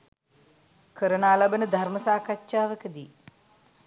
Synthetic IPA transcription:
kʰəɾənaːlɐbənəd̪ʱaɾməsaːkatːʃaːʋəkəd̪iː

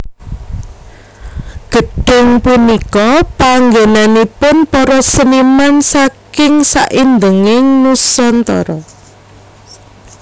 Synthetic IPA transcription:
ɡ̥əɖ̥ʊ̤ŋpunikɔpaŋɡenanipʊnpɔɾɔsənimansakɪŋsa̰ʔind̪əŋɪŋnusɔnt̪ɔ̰ɾɔ

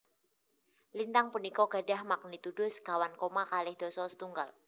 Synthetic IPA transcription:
lint̪aŋpunikɔɡ̥a̤ɖa̤hmak̚nit̪uɖ̥ʊ̤sɡ̥awankomakalɪhd̪̥ɔ̤sɔsə̥t̪uŋɡal

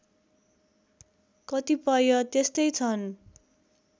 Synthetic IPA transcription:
kʌt̪ipʌjʌt̪est̪ʌjt͡sʰʌn

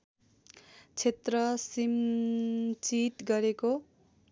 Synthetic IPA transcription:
t͡sʰet̪rʌsim | t͡siʈ̪ɡʌɾeko

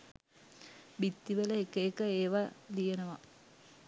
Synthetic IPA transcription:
bit̪ːiʋələekəekəeːʋalijenəʋa

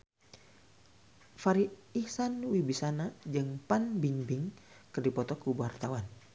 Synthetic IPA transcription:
faɾiihsanwibisanad͡ʒɨŋpanbiŋbɪŋkɨrdipɔt̪ɔkubuart̪awan

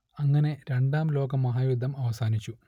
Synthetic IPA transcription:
ɐŋːɐne̞ɾe̞ɳɖaːmlo̞ːɡɐmːɐɦaːjud̪ʱːɐmɐʋɐsaːnit͡ɕːu

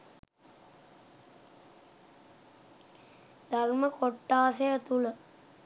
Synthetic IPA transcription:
d̪alməkoʈːaːsejət̪ulə

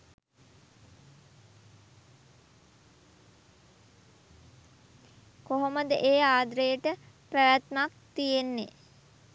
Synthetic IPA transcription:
koɦoməd̪əʔeːaːd̪ɾəjəʈə | pæʋæt̪mak̚t̪ijenːḛ

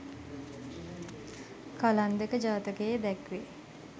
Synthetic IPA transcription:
kaland̪ekəd͡ʒaːt̪əkejd̪ɛkʋe

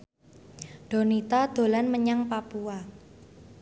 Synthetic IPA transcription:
ɖ̥o̤nit̪ad̪̥o̤lanməɲaŋpapua

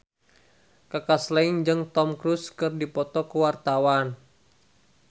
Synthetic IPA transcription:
kakaslaiŋd͡ʒɨŋt̪ɔmkɾuskɨrdipɔt̪ɔkəwart̪awan

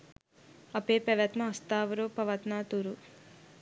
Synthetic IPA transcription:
ɐpeːpɐʋɐt̪mɐɐst̪aːʋɐɾoːpɐʋɐt̪naːt̪uɾu

